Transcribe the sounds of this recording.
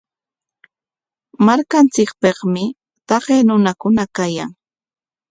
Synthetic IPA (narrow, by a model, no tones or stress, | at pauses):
maɾkant͡sɪk̚peχmɪ | t̪ɑɢeːnʊnakʊnakaja̰ŋ